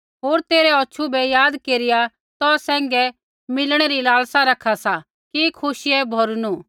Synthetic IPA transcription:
ɦoːɾt̪eːɾɛɔːʃʰubɛjaːd̪keːɾɪja | t̪ɔsɛ̃ːŋɡɛ | mɪlɽ̃ɛɾilaːlsaɾɐkʰasa | kikʰʊʃiɛbʱɐɾnu

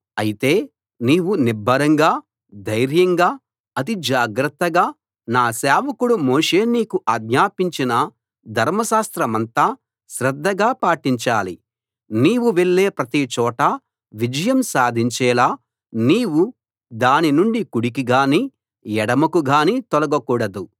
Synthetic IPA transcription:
ɐjit̪e̞ː | niːwuniɾbʱːɐɾɐŋɡaː | d̪ɐjɾjɐŋɡaː | ɐt̪̬id͡ʒaːɡɾɐt̪ːɐɡaː | naːsɛːʋɐkuɽumoːʂeːniːkuʔaːɡɲaːpiɲt͡ʃinɐ | d̪ʱɐɾmɐʃaːst̪ɾɐmɐnt̪ɐ | ʃɾɐd̪ʱːɐɡaːpaːʈiɲt͡ʃaːlḭ | niːwuʋe̞ɭːe̞ːpɾɐt̪it͡ʃɔːʈɐ | ʋid͡ʒɐjɐmsaːd̪ʱiɲt͡ʃɛːlaː | niːwu | d̪aːninuɳɖikuɽikiɡaːniː | jɛɽɐmɐkuɡaːniːt̪ɔlɐɡɐkuːɽɐd̪u

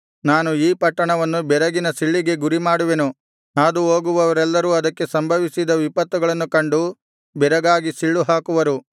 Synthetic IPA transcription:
naːnuiːpɐʈːɐɳɐʋɐnːubɛɾɐɡinɐsiɭːiɡe̞ɡuɾimaːɽuʋe̞nu | aːd̪uoːɡuʋɐʋɐɾɛlːɐɾuɐd̪ɐkːe̞sɐmbʱɐʋisid̪ɐʋipɐt̪ːuɡɐɭɐnːukɐɳɖu | bɛɾɐɡaːɡisiɭːuɦaːkuʋɐɾu

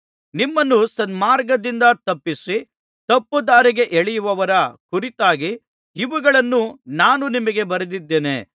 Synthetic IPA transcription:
nimːɐnːusɐnmaːɾɡɐd̪ind̪ɐt̪ɐpːisi | t̪ɐpːud̪aːɾiɡe̞ʔeɭijuʋɐʋɐɾɐkuɾit̪aːɡiː | ʋuɡɐɭɐnːunaːnunimɐɡe̞bɐɾɐd̪id̪ːeːnḛ

